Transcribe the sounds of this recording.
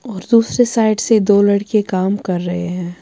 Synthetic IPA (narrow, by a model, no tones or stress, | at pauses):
ɔːɾd̪uːsɾesaːɪɖsed̪oːlɐɽkekaːmkɐɾːɐɦeɦɛ̃ː